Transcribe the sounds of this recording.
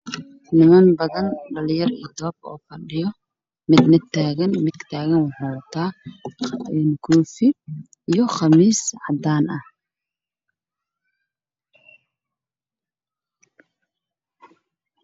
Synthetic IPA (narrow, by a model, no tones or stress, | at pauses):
nɪmɐnbɐðɐnɖɐljɐrijd̪ɔːbɔ̰ːfɐɖɪjɔ | mɪd̪mɪd̪ʰaːɣɐnmɪd̪t̪ʰaːɣɐnwɑħʊːwɐt̪ʰaː | ɛnkʰuːfɪ | ijɞχɑmiːsʕɑd̪aːnɐh